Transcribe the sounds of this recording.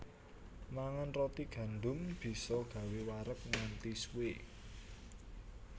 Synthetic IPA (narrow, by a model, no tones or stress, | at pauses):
maŋanrɔt̪iɡ̥ä̤nɖʊ̤mb̥i̤sɔɡ̥ä̤wewaɾək̚ŋant̪iswe